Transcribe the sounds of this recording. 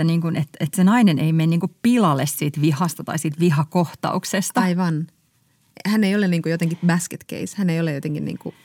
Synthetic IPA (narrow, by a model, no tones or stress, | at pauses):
æniːŋkunet̪et̪senɑinenʔeimeniːŋkuppilɑlessiːt̪ʋihɑst̪ɑt̪ɑ̰isiːt̪ʋiɦɑkoht̪ɑ̰uksest̪ɑɑiʋɑn | hænejoleniːŋkujot̪eŋkibæsket̪kḛishæneijolejot̪eŋkinnḭːŋkṵ